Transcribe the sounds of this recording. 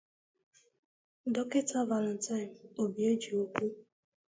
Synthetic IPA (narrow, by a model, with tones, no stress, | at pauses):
dɔ˦ke˦tʰa˦va˨lɔ˨n˨tʰa˦ɪ˨mo˨bi˨e˦d͡ʒi˨o˦kʷu˦